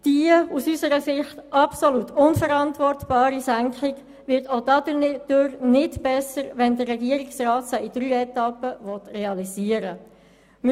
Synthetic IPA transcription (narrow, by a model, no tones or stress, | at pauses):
d̥iusysəɾəsɪχtɑpsolutʰʊnfəɾɑntʋɔrtb̥ɑːɾisæŋkχɪɡ | ʋɪɾtodɑdəd̥øɾnɪdb̥ɛsəɾʋɛndəːɛɡiəɾɪksrɑːtsaid̥ɾyːɛtɑpːəvɔt̪reɑliziəɾə | m